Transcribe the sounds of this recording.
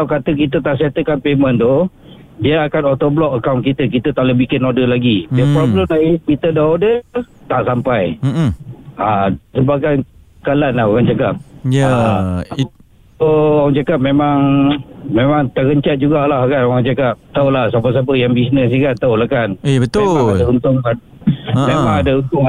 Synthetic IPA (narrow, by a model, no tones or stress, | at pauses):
lawkat̪ək̬it̪ət̪aʔsiat̪əkanpemə̃nt̪o | diaakanɔt̪oblɔkəkawnkit̪ək̬it̪ət̪aʔləbikɛnodəlaɡidiəpɾɔbləmlaikit̪ədaɦodət̪aʔsampaj | asəmbakan | kalanlahukant͡ʃakap̚jaa | ooaŋt͡ʃakap̚memaŋmemaŋt̪əkəɲt͡ʃat̪̚d͡ʒuɡaʔlahkanowaŋt͡ʃakap̚t̪aulahsap̬əs̬ap̬əjaŋbisnəs̬ikant̪aulahkanbət̪emaadaunt̪ʊŋa | memãŋadəunt̪ʊŋa